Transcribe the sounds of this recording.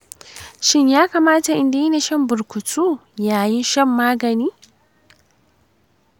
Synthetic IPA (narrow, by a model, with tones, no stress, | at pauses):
ʃɪ˦ɲjaː˦kaː˨maː˦ta˨ʔɪ˦nda˨ji˦ne˨ʃɐ˦mbʊ˨ɾkʷʊ˨tʰuː˦jaː˨jɪ˦nʃɛ˦mːaː˦ɡɐ˨niː˦